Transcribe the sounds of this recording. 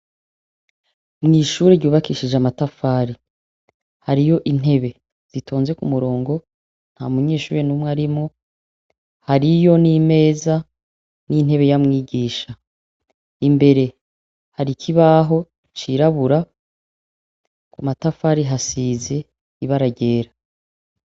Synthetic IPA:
mŋiːʃuːɾeɾɟuːβakiʃid͡ʒamatafaːɾi | haɾijo̞ʔin̥e̞βe̞ | z̥itʰoːnzwe̞kumuɾo̞ːŋɡo̞ | n̥ha̰muɲe̞ːʃuːɾenumwaɾimŋo̞ | haɾijo̞nime̞ːza | nin̥he̞βe̞jamŋiːɟiːʃa | imbe̞ɾe̞ | haɾikʰiβaːɦo̞ | t͡ʃiɾaβuɾa | kamatafaːɾiɦasiːze̞ | iβaɾaɟe̞ːɾa

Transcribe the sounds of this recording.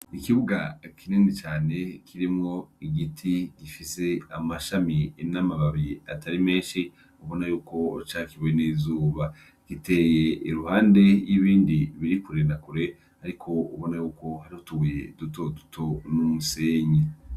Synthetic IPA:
ikiβuɡakʰinenit͡ʃaːne̞kʰiɾimŋo̞iɡitʰiɡifise̞amaʃaminamaβaβia̰tʰaɾime̞ːnʃi | uβo̞najuːko̞t͡ʃaːkiβujeniːzuːβa | kite̞jeiɾuhaːnde̞jiβiːndiβiɾikuɾe̞nakuɾe̞ | aɾikʰo̞uβo̞najuːko̞haɾihutuɡujḛduto̞dutʰo̞numuse̞ːɲe

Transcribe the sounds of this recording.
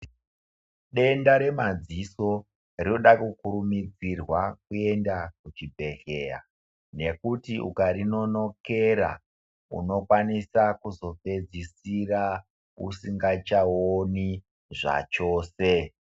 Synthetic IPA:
ɗe̞ndaɾe̞mad͡ziso̞ | rinoɗakukuɾumid͡zirwakue̞ndakut͡ʃibʱe̞ɬe̞a̰ | ne̞kutiṵkaɾino̞no̞ke̞ɾa̰ | ṵno̞kwanisakuzo̞pe̞d͡zisira | ṵsiŋɡat͡ʃaoni | ʐa̰t͡ʃo̞ːse̞

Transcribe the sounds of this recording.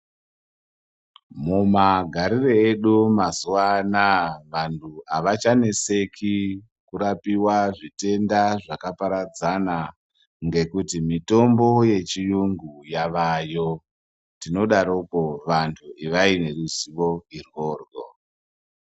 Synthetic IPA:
mumaɡʱaɾireeɗumazuwanaʋantʰuaʋat͡ʃane̞se̞kʰi | kuɾapiwaʐite̞ndaʐakapaɾad͡zana | ŋɡe̞kutimito̞mbo̞je̞t͡ʃijuŋɡujaʋajo̞ | tino̞ɗaɾoko̞ʋantʰuiʋaine̞ɾuziʋo̞irwoːrɡo̰

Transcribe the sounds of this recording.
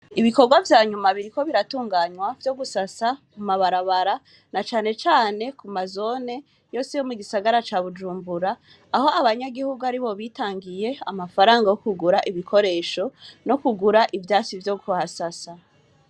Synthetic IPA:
iβiko̞ɾɡwavjaːɲumaβiɾiko̞βiɾatuːŋɡaːɲwavjo̞ɡusasakumaβaɾaβaɾa | nat͡ʃaːne̞t͡ʃaːne̞kumazo̞ne̞ | jo̞ːsejo̞muɡisaɡaɾat͡ʃaβud͡ʒuːmbuɾaː | ho̞aβaɲaɡihuɡuaɾiβo̞βiːtaːŋɡije̞amafaɾaːŋɡajo̞kuɡuɾaʔiβikʰo̞ɾe̞ːʃo̞no̞kuɡuɾaʔivjaːt͡ʃivjoɡuhasasa

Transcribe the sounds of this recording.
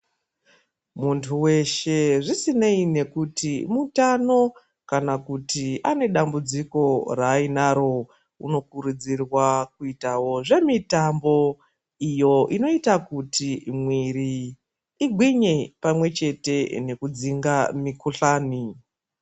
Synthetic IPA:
muntʰuwe̞ʃe̞ʐisineine̞kutimutano̞ | kanakutiane̞ɗambud͡ziko̞raːinaɾo̞ | uno̞kuɾud͡zirwak̚uitawo̞ʐe̞mitambo̞ | ijo̞ʔino̞itakutimwiɾiː | ɡʱwiɲe̞pamwe̞t͡ʃe̞te̞ne̞kud͡ziŋɡamikuɬaːni

